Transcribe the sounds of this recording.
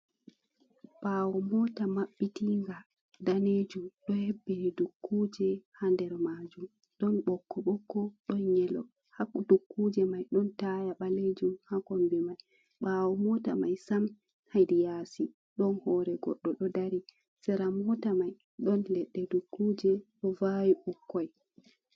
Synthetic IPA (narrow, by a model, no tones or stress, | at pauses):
ɓ̥awɔmɔtamaɓːitiŋɡa | daned͡ʒumɗɔhɛbːɛnidukːuːd͡ʒɛhandɛɾmad͡ʒum | ɗɔnɓɔkːɔɓɔkːɔɗɔnɲɛlɔ̰ | hakdukʰːud͡ʒɛmajɗɔntajaɓaled͡ʒumhakɔmbɛmaj | ɓawɔmɔta̰majsam | hajdijaːsi | ɗɔnhɔɾɛɡɔ̰ɗːɔɗɔdaɾi | sɛɾamɔtamaj | ɗɔnlɛɗːɛdukʰːuːd͡ʒɛɗɔvawiɓukʰːɔj